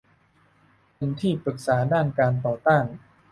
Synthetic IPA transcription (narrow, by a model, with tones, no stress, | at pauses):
pe˧nt̪ʰiː˥˩pɾɯ˨˩k̚saː˩˦daː˥˩nkaː˧nt̪ɔː˨˩t̪aː˥˩n